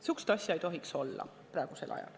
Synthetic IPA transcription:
sykst̪ɑsʲjɑejt̪o̞ɦikso̞lːɑ̰ | prɑˑeɡ̥use̞lʔɑ̰jɑ̰l

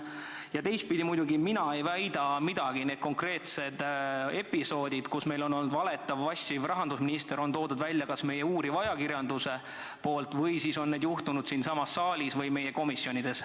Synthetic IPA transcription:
jɑt̪e̞jst̪̚pid̪imujd̪uɡiminɑe̞jvæjd̪̥ɑmid̪̥ɑɡ̥ine̞ːd̪̚ko̞ŋkre̞ːt̪se̞d̪̥e̞pːˑiso̞ːd̪̥id̪̥kusme̞jlo̞nːo̞lnːud̪vɑle̞t̪ˑːɑvɑsʲːvrɑɦɑnd̪usminist̪eɾo̞nt̪o̞ːd̪ud̪vælʲːjɑkɑsme̞jeuːɾivɑjɑkiɾjɑnd̪̥use̞ | po̞ːlt̪vɤjsiso̞nːed̪juht̪unud̪siːnsɑmɑsːɑːlʲisvɤjme̞je̞ko̞misːjo̞nʲid̪̥e̞s

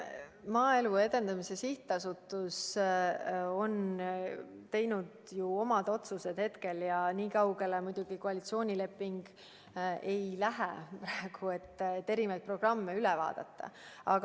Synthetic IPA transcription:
mɑːelue̞d̪̥e̞nd̪ɑmise̞siht̪ˑːɑsut̪ːˑus | o̞n | t̪e̞jnud̪̥juo̞mɑd̪̥o̞t̪suse̞d̪̥he̞t̪ke̞ljɑniːkɑwɡe̞lemud̪̥uɡ̥ikoɑlit̪sio̞ːnʲile̞pːiŋɡ̥ | e̞jlæɦḛpɾɑeɡ̥ue̞t̪ːet̪ːe̞ɾimɑjt̪̚pro̞ɡ̥rɑmːe̞ylɛvɑ̰ːd̪̥ɑ̰t̪ˑːɑ̰ɑɡ

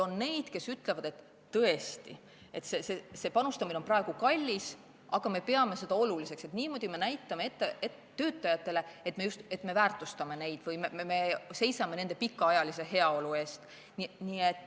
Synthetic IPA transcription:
o̞nne̞jd̪̥ke̞syt̪ˑle̞vɑd̪e̞t̪ː | ɤ̞e̞st̪ḭ | e̞̰t̪ːsesese̞pɑnust̪ɑmine̞o̞nprɑe̞ɡ̥ukɑlʲːis | ɑɡ̥ɑme̞pe̞ɑme̞se̞d̪̥ɑo̞lulise̞kse̞t̪niːmo̞d̪̥ʲime̞næjt̪ːˑɑmeet̪ːee | t̪ːø̞ːt̪ˑːɑjɑt̪ːˑe̞le̞e̞t̪me̞just̪e̞t̪ːme̞væːrt̪ˑust̪ɑme̞ne̞jd̪̥vɯjmeeme̞se̞jsɑme̞ne̞nd̪̥e̞pikːɑɑjɑlise̞ɦe̞ɑo̞lue̞ːst̪ | niniet̪ːˑ

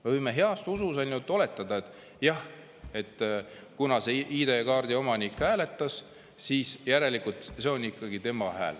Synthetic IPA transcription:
ɤjmeɦeɑst̪ususɑlnʲut̪ːˑo̞le̞t̪ːˑɑd̪̥ɑet̪ːˑ | jɑh | e̞t̪ˑː | kunɑseʔiːd̪e̞kɑːrd̪̥io̞mɑnikhæːle̞t̪ːˑɑs | siːsjæɾe̞likult̪se̞o̞nikːˑɑɡit̪e̞mɑhæ̰ːl

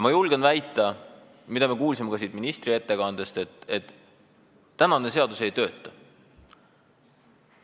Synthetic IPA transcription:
jmɑjulɡ̥envæjt̪ːˑɑ | mid̪̥ɑme̞kuːls̬imekɑsiːd̪̥minist̪rie̞t̪ːe̞kɑnd̪̥est̪et̪et̪ː | ænɑne̞se̞ɑd̪usejt̪ø̞ːt̪ˑːɑ

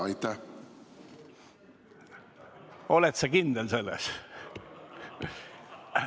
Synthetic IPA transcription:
ɑjt̪ːæh | o̞let̪sɑkind̪else̞lːes

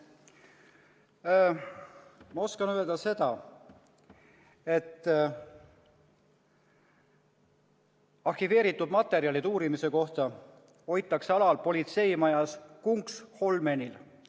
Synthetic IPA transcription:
mɑo̞skɑnøeld̪ɑse̞d̪ɑ | e̞t̪ː | ɑrhive̞ːɾit̪ːˑud̪mɑt̪ːˑe̞ɾiɑlid̪uːɾimise̞ko̞ht̪ɑ | o̞jt̪ːˑɑkseɑlɑlpo̞lʲit̪se̞jmɑjɑskuŋksho̞lme̞nʲil

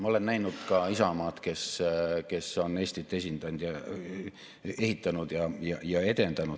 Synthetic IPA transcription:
mɑole̞nːnæjnud̪̥kɑisɑmɑːt̪ke̞ske̞sːo̞ne̞ːsʲt̪it̪ːˑe̞sʲind̪ɑnd̪̥jɑ | e̞hit̪ːɑnud̪jɑjɑjɑe̞t̪e̞nd̪t̪ɑnu̥

